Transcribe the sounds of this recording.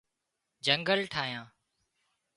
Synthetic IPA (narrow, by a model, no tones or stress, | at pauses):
d͡ʒəŋɡəlʈʰaːjãː